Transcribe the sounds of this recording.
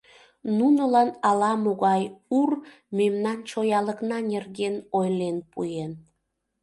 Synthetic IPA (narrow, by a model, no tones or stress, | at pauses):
nunəlɑnɑlɑmoɣɑjur | memnɑnt͡ɕojɑləknɑnerɣenojlenpujen